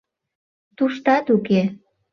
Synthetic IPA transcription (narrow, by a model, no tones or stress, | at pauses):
t̪uʃt̪ɑt̪uke